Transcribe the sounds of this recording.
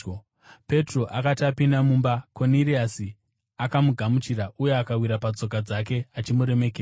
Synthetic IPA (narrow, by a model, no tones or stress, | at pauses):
pe̞tro̞ʔakatiapindamuːmbako̞niriasi | akamuɡʱamut͡ʃiɾaʔuje̞akawiɾapad͡zo̞kad͡zak̬e̞at͡ʃimuɾe̞me̞keːa